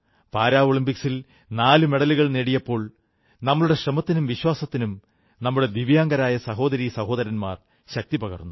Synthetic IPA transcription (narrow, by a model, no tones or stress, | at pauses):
paːɾaːoɭimpiksil | naːlume̞ɽɐluɣɐɭneːɽijɐpːo̞ːɭ | nɐmːɐɭuɽe̞ɕrɐmɐt̪ːinumʋiɕwaːsɐt̪ːinum | nɐmːuɽe̞d̪iʋjaːŋɡɐɾaːjɐsɐɦo̞ːd̪ɐɾiːsɐho̞ːd̪ɐɾɐnma̰ːr | ɕɐk̚t̪ipɐɣɐ̰rnːu